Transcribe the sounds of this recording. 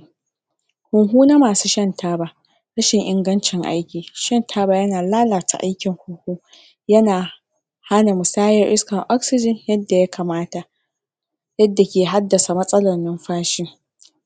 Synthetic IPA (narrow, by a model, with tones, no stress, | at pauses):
hʊ˨ŋɦuː˦na˦maː˨suː˦ʃɐ˦ntʰaː˦baː˨ | ɽɐ˦ʃɪ˨ŋʔɪ˨ŋɡɐ˦nt͡ʃɪ˨ŋʔa̰˦jkʲiː˨ʃɐ˦˨ntʰaː˦baː˨jɐ˦naː˨laː˦laː˨ta̰˨ʔa̰˦jkʲɪ˨ŋhʊ˨ŋhuː˦ | jɐ˦naː˨ | ha˦na˨mʊ˨saː˦jɐ˨rʔɪ˦skɐ˨ŋʔɔ˦ksɪ˦d͡ʒɪ˨njɐ˦dːa˨ja˦kʰaː˨maː˦ta˨ʔ | jɐ˦dːa˨kʲeː˨ɦa˦dːɐ˨sa˨mɐ˦sʼɐ˦lɐ˨rnɪ˦mɸaː˦ʃɪ˦ŋ